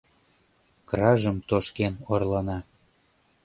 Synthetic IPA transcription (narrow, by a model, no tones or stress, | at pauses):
krɑʒəmt̪oʃkenorlɑnɑ